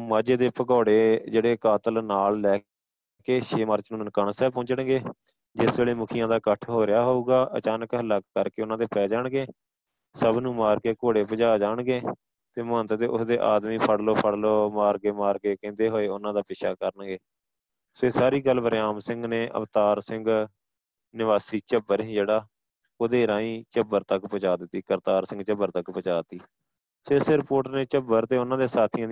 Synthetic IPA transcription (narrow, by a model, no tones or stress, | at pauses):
maːd͡ʒeːd̪eːpəkoːɽeːd͡ʒeːɽeːkaːt̪əlnaːllɛː | keːʃeːməɾt͡ʃnũːnəkəɳsɛːpõt͡ʃəɳɡeː | d͡ʒɪsʋeːleːmʊkʰijãːd̪aːkəʈʰɦoːɾɪjaːɦouːɡaːʔə̰t͡ʃaːnəkɦələkːəɾkeːʊnãːd̪eːpɛːd͡ʒaːɳɡeː | səbnũːmaːɾkeːkoːɽeːpəd͡ʒaːd͡ʒaːɳɡeː | t̪eːmə̃nt̪d̪eːʔʊsd̪eːʔaːd̪miːpʰəɽloːpʰəɽloːmaːɾkeːmaːɾkeːkẽːnd̪eːɦoːeːʊnãːd̪aːpɪʃaːkəɾəɳɡeː | soːeːsaːɾiːɡəlːʋəɾjaːmsɪ̃ŋɡneːʔə̰ʋt̪aːɾsɪ̃ŋɡ | nɪʋaːsiːt͡ʃəbːəɾɦĩːd͡ʒeːɽaː | oːd̪eːɾãːĩːt͡ʃəbəɾt̪əkpət͡ʃaːd̪ɪt̪ːiːkəɾt̪aːɾsɪ̃ŋɡt͡ʃəbːəɾt̪əkpət͡ʃaːt̪iː | seːsɪɾpoːʈneːt͡ʃəbəɾt̪eːʊnãːd̪eːsaːt̪ʰiã